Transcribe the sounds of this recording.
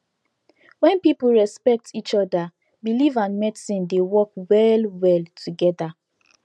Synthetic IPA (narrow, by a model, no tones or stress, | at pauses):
wɛ̃npip̩ɹɛspɛk̚tʰit͡ʃɔda | bilivãnmɛdsĩndewɔkwɛlwɛltʰuɡɛda